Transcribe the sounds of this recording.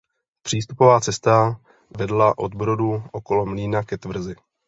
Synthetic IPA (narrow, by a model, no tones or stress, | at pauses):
pr̝̥iːs̬t̪upo̞vaːt͡sɛst̪a | vɛdlaʔo̞̰d̪̚bɾo̞duʔo̞ko̞lo̞mliːnakɛt̪vr̩zɪ